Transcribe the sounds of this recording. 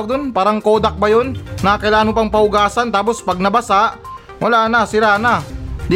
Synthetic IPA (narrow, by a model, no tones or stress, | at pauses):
d̪onpaːɾɐŋkoːd̪ak̚bajonːakɐjlaːnopaŋpɐʊɡaːsant̪aːpospɐɡ̚nɐbɐsaʔ | wɐlaːnɐsɪɾanad̪ɪ